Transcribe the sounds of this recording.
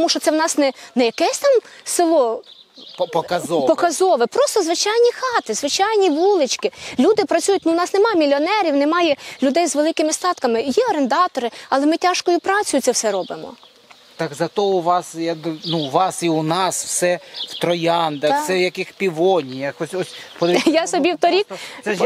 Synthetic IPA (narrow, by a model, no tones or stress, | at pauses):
t̪ɔmuʃt͡ʃɔtsɛwnɑsnɛnɛjɐkɛsʲt̪ɑmsɪlˠɔ | pɔkɐzɔpɔkɐzɔʋɪpɾɔst̪ɔzʋɪt͡ʃɑjnʲixɑt̪ɪzʋɪt͡ʃɑjnʲiʋulˠɪt͡ʃkɪlʲud̪ɪpɾɐt͡sʲujʊtʲnuwnɑsnemɑmʲilʲɔnɛɾʲiwnɛmɑjɛlʲʊd̪ɛjzʋelˠɪkɪmɪst̪ɑt̪kɐmɪjiɔɾend̪ɑt̪ɔɾɪɐlˠɛmɪtʲɑʃkɔjʊpɾɑt͡sʲʊjʊt̪sɛwsɛɾɔbɪmɔ̰ | t̪ɑkzɐt̪ɔʊʋɑsjad̪nuʋɑsiʊnɑswsɛwt̪ɾɔjɑnd̪ɐsɛjɐkɪxpʲiʋɔnʲijɐxɔsʲɔsʲpɔd̪jasɔbʲiwt̪ɔɾʲikɛ